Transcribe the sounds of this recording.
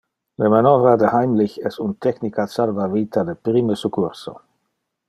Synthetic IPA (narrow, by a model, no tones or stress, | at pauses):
lemanɔvɾad̪ehajmliçɛsunt̪ɛknikasalvaviːt̪ʰad̪epɾiməsukʰuɾso̰